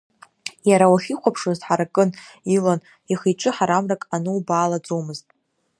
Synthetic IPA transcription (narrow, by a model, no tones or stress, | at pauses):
jaɾawaχʲiqʷʰapʰʂozħaɾakʼɨnilon | iχijʈ͡ʂʷʼɨħaɾamrakʼanɨubaːlad͡zʼomɨztʼ